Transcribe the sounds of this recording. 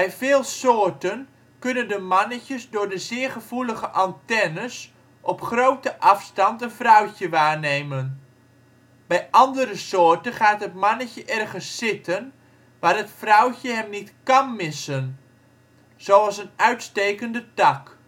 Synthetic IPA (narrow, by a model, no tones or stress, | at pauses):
bɛjvɪːlˠsoːɹtən | kɵnəndəmɑnəcəsdʊːɹdəzɪːɹχəv̥uləχəʔɑntɛnəs | ʔɔpχrowtəʔɑfstɑntənvrœwcəʋaːɹnejmən | bɛjʔɑndəɾəsʊːɹtəχaːtɦətmɑnəcəʔɛrχənsːɪtən | ʋaːrətfrɔwcəɦɛmnitkɑnmɪsən | z̥owɑlˠsənœɥtstejkəndətɑk